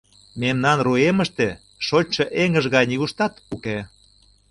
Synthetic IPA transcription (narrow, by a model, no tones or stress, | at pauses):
memnɑnrueməʃt̪e | ʃot͡ɕʲʃɤʔeŋəʒɣɑjnʲiɣuʃt̪ɑt̪uke